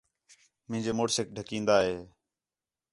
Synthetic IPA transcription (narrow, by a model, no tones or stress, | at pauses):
mɪ̃ɦɪ̃ɲd͡ʒeːmoːɽsekɖʱəkĩːnd̪aːɦeː